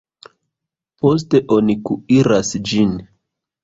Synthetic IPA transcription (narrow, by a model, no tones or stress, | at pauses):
po̞s̬te̞ʔo̞nikuiɾasd͡ʒin